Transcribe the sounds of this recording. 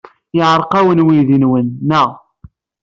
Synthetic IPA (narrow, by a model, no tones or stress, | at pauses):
ɪʕɾˤqæwənwiðinwənːæ